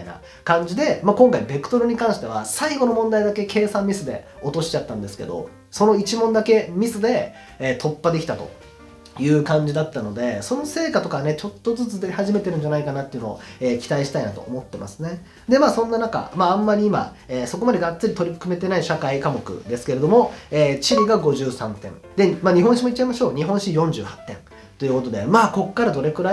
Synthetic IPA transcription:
aina̰ | kãɲ̟d͡ʑid̪e̞makõ̞ŋkaibe̞kɯ̟̥t̪o̞ɾɯ̟ɲ̟ikãɰ̃ɕi̥t̪e̞βasaiɡo̞no̞mõ̞nd̪aid̪ake̞kʰe̞ːsãmːʲisɨd̪e̞̰o̞t̪o̞ɕi̥t͡ɕat̪ːãnd̪e̞sɨ̥ke̞d̪o̞̰ | so̞no̞it͡ɕimõ̞nd̪ake̞mʲisɨd̪e̞ː | t̪ʰo̞pːad̪e̞kʲi̥t̪at̪o̞̰ | jɯ̟ːkãɲ̟d͡ʑid̪at̪ːano̞d̪e̞so̞no̞se̞ːkat̪o̞kaβanet͡ɕo̞t̪ːo̞zɨt͡sɨd̪ehaʑime̞t̪e̞ɾɯ̟ɲ̟d͡ʑanaikanat̪ːe̞iɯ̟no̞o̰eːkʲi̥t̪aiɕi̥t̪ainat̪o̞̰o̰mo̞t̪ːe̞ma̰sɨne̞ | d̪e̞maːsõ̞nːanaka̰mãːmːaɾʲiima̰ | eːso̞ko̞mad̪e̞ɡat͡st͡sːɨɾʲit̪o̞ɾʲiɯ̥kɯ̟me̞t̪e̞naiɕakaikamo̞kɯ̟̰d̪e̞sɨ̥ke̞ɾe̞d̪o̞mo̞eːt͡ɕiɾʲiɡaɡo̞ʑɨːsãnt̪ẽ̞n | d̪e̞maːɲ̟iɦõ̞ɰ̃ɕimoit̚t͡ɕːaimaɕo̞ːɲ̟iɦõ̞ɰ̃ɕijõ̞ɲ̟d͡ʑɨ̰ːhḁt̪ːẽ̞̰n | t̪o̞jɯ̟ko̞t̪o̞d̪e̞maːko̞kːaɾad̪o̞ɾe̞kɯ̟ɾa

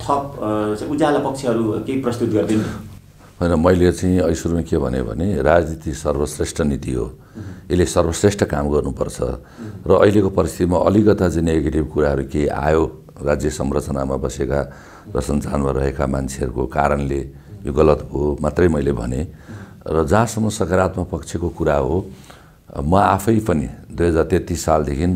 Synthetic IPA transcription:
t̪ʰʌpt͡saud͡zalapʌk̚t͡ʃʰeʌɾukeiprʌst̪ut̪̚ɡʌrd̪in | ɦʌjnʌmʌjlet͡saĩʌjsuɾmakebʱʌ̰nebʱʌ̰nerad͡znit̪isʌrbʌsresʈʰʌnit̪iɦo̰ | elesʌrbʌsresʈʰʌkamɡʌrnupʌrt͡sʰʌ̰ | rʌʔʌɦilekopʌɾist̪ʰit̪imaʔʌ̰likʌt̪ad͡zineɡeʈibkuɾaɦʌɾukeja̰jo | rad͡zjʌsʌmrʌt͡sʌnamabʌseka | rʌsʌnt͡sanmaɾʌɦekamant͡sʰeɦʌɾukokaɾʌnle | joɡʌlʌt̪bʱomat̪rʌjmʌjlebʱʌ̰ne | rʌd͡zãːsʌmːʌsʌkaɾat̪mapʌkt͡sʰekokuɾaɦo | mʌapʰʌjpʌnid̪ujɦʌd͡zart̪et̪isːald̪ekʰin

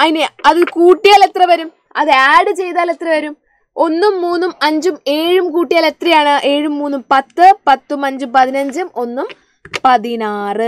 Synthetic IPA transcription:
ɐðineɐðilkuːʈːijaːle̞t̪rɐʋɐɾum | ɐðɨaːɖɨt͡ɕe̞jt̪aːle̞t̪rɐʋɐɾum | o̞nːumːuːnːumɐɲd͡ʑume̞ːɻumkuːʈːijaːle̞t̪rɐjaːɳɨʔe̞ːɻumːuːnːumpɐt̪ːɨpɐt̪ːumɐɲd͡ʑumpɐðinɐɲd͡ʑumo̞nːum | pɐðinaːrɨ

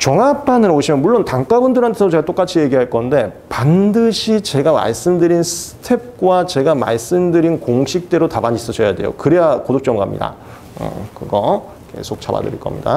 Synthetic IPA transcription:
t͡ɕʌŋapʰanɯɾoɕʰimjʌnmuɭːontaŋk͈abundɯɾɦantʰesʰot͡ɕe̞ɡat͈ok͈at͡ɕʰije̞ɡiɦaɭk͈ʌnde̞pandɯɕʰit͡ɕe̞ɡama̰ɭs͈ɯmdɯɾinsʰɯ̥tʰe̞p̚k͈wat͡ɕe̞ɡama̰ɭs͈ɯmdɯɾinkoŋɕʰik̚t͈e̞ɾotabaɲis͈ʌɕʌjade̞̰jo̰kɯɾeakodok̚t͡ɕ͈ʌmɡamɲḭda̰ | ɯ̰kɯɡʌ | kʰe̞̰sʰok̚t͡ɕ͈aba̰dɯ̰ɾḭɭk͈ʌmɲida̰

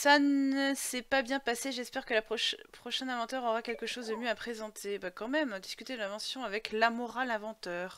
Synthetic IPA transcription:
sanəsɛpabjɛ̃paseʒɛspɛʁkəlapχɔʃpχɔʃɛ̃nɛ̃vɑ̃t̪ɛʁɔʁakʲɛlkəʃozd̪əmjøapχezɑ̃t̪ʰebakɑ̃mɛmd̪iskʲyt̪ed̪əlɛ̃vɑ̃sjɔ̃avɛklamɔʁalɛ̃vɑ̃t̪œːʁ

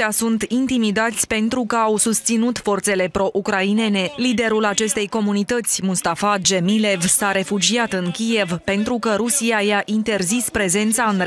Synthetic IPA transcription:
asunt̪int̪imid̪at̪sʲpe̞nt̪ɾukəawsust̪sinut̪fo̞rt̪se̞le̞pɾo̞ʔukɾaine̞ne̞lid̪e̞ɾulat͡ʃe̞st̪e̞jko̞munit̪ət̪sʲmust̪afad͡ʒe̞mile̞vsaɾe̞fud͡ʒiat̪ɨŋkʲije̞vpe̞nt̪ɾukəɾusiajaʔint̪e̞rzispɾe̞ze̞nt̪saɨn

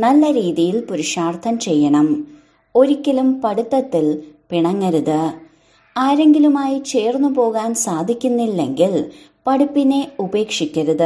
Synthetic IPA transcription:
nɐlːɐɾiːðijilpuɾiʂaːrt̪ʰɐmt͡ɕe̞jːɐɳɐm | o̞ɾikʲːɐlumpɐɽut̪ːɐt̪ːilpiɳɐŋːɐɾuðɨ | aːɾe̞ŋɡilumaːjit͡ɕe̞ːrnːupo̞ːɣaːnsaːd̪ʱikʲːunːilːe̞ŋɡilpɐɽupːine̞ube̞ːkʂikʲːɐɾuðɨ

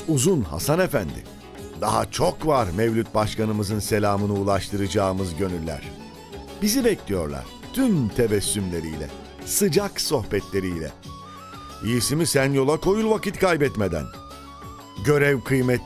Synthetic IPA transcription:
uzunha̰sane̞fænd̪ɪ̰ | d̪a̰ɦa̰t͡ʃʰo̞kvaɾmevlʲut̪̚baʃkanɯmɯzɯnse̞lʲaːmɯnɯulˠaʃt̪ʰɯɾɯd͡ʒaːɯmɯzɟø̞nylʲːæ̰ɾ̝̥ | bizibɛclʲijo̞̰ɾlˠa̰ɾ̥ | t̪ʰymt̪ʰevɛsːymlʲe̞ɾḭjlʲɛ̰ | sɯd͡ʒakso̞xbɛt̪lʲe̞ɾijlʲɛ̰ | ijisimisænjo̞lˠako̞julˠvakit̪kajbɛt̪med̪æ̰n | ɟø̞ɾɛvkʰɯjmɛt̪

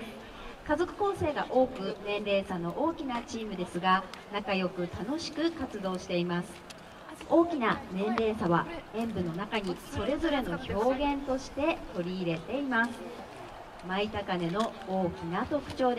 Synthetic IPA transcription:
kazo̞kɯ̟̥kõ̞ːse̞ːɡa̰ʔo̞ːkɯ̟nẽ̞nɾe̞ːsano̞ʔoːkʲinat͡ɕiːmɯ̟d̪e̞sɨɡanakajo̞kɯ̟t̪ano̞ɕi̥kɯ̟kat͡sɨd̪o̞ːɕi̥t̪e̞imasɨ̥ | o̞ːkʲinanẽ̞nɾe̞ːsaβaẽ̞mbɯ̟no̞nakaɲ̟iso̞ɾe̞zo̞ɾe̞no̞ço̞ːɡẽ̞nt̪o̞ɕi̥t̪e̞t̪o̞ɾʲiːɾe̞t̪e̞imasɨ̥ | mait̪akane̞no̞oːkʲinat̪o̞kɯ̟̥t͡ɕo̞ːd̪

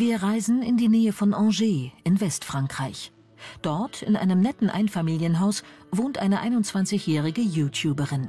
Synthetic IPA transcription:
viːɐʁaɪzn̩ɪndiːnɛːəfɔnʔɑ̃ːʒeːʔɪnvɛstfʁ̥aŋkʁ̥aɪç | d̥ɔɐtʰɪ̰nʔa̰ɪnəmnɛtn̩ʔa̰ɪnfamiːljənɦaʊs | voːntʔaɪnəʔaɪnʊntt͡sv̥ant͡sɪçjɛːʁɪɡəjuːtʰjuːbəʁɪn

